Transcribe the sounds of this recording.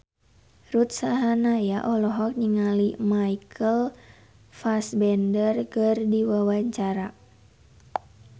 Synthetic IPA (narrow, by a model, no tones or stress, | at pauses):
rut̪̚saɦanajaʔɔlɔɦɔk̚ɲiŋalimaikʰəl | fasbɛndərkərdiwawaɲt͡ʃaɾa